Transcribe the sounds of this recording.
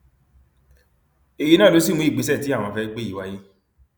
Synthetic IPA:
e˨ji˧˦nã˦˨lo˨˦si˦˨mũ˧˦i˦˨ɡ͡be˨˦sɛ˦˨ti˦a˦˨w̃ɔ̃˧fɛ˧ɡ͡be˦˨i˨˦wa˦ji˦

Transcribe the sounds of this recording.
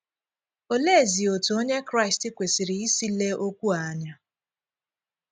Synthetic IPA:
o˦le˦˨zi˨o˨tu˨o˦ɲe˦kɾa˦ɪ˨stɪ˦kʷe˨si˨ɾi˨i˦si˦le˦ʔo˦kʷu˦a˨˦ɲa˦

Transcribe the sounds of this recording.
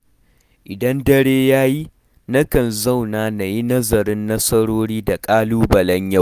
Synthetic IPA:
ʔɪ˨dɐ˦ndɐ˦ɽeː˦jaː˦ji˦ | nɐ˦kɐ˨nzɐ˦˨wnaː˨na˨ji˦nɐ˦zɐ˨ɾɪ˦nːɐ˦sɐ˦ɽoː˦ɽiː˦da˨kʼaː˦luː˦bɐ˨lɐ˦ɲjɐ˦˨

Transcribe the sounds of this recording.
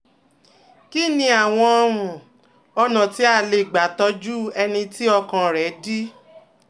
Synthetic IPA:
ki˦˨nĩ˧a˨w̃ɔ̃˧ɔ˧ɾũ˨ | ɔ˧nã˨ti˨˦a˦˨le˨ɡ͡ba˨tɔ˨˦d͡ʒu˦ɛ˧nĩ˧ti˦ɔ˧kã˧ɾɛ˨˦di˦

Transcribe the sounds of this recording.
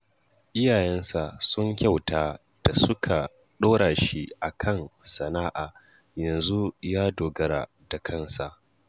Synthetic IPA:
ʔɪ˦jaː˨jɛ˦nsa˨sʊ˦ŋkʲa˦˨wtaː˦ | d̥a˨sʊ˦kʰa˨ | ɗoː˦ɽaː˨ʃi˦ʔa˨kʰɐ˦˨nsɐ˨naː˦ʔaː˨ | jɐ˨nzu˦jaː˦doː˨ɡɐ˦ɾa̰˨ | da˨kʰɐ˦nsa˨ʔ

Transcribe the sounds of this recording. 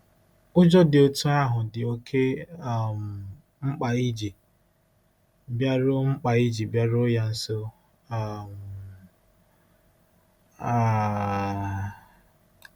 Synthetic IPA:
ʊ˦d͡ʒɔ˦dɪ˨o˦tu˦a˦ɦʊ˨dɪ˨o˦kʰe˦a˨m̩˨ | ŋ͡m̩˦k͡pa˨i˦d͡ʒi˨ | bja˦ɾʊ˦ŋ͡m̩˦k͡pa˨i˦d͡ʒi˨bja˦ɾʊ˦ja˦n̩˦so˦ | a˦˨m̩ | a˦

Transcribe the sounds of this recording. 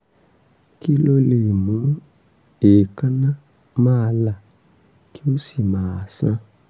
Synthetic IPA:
ki˦lo˧le˨mũ˨˦ | e˨kã˦nã˦˨ | mãː˦˧la˦˨ | ki˦o˦si˨mãː˨˦a˨sã˧

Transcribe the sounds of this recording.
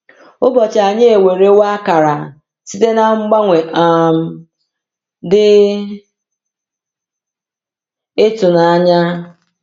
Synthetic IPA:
ʊ˦bɔ˨t͡ʃa˨ɲe˦e˨we˨ɾe˦wa˦a˦ka˨ɾa˨ | si˦te˦na˦ŋ͡m̩˦ɡ͡ba˦ŋʷe˨ʔa˨m̩˨ | dɪ˦ | ɪ˦tʊ˨na˨a˦ɲa˦

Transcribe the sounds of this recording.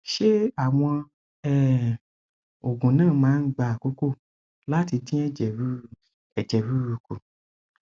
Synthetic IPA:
ʃe˦a˨w̃ɔ̃˧ | ɛ˦ | o˨ɡõ˨nãː˦˨mãː˨˦n̩˦ɡ͡ba˨ko˦ko˦˨ | la˦ti˧dĩ˦ɛ˦d͡ʒɛ˨wu˦˨ | ɛ˨d͡ʒɛ˨wu˦ɾu˧ku˨

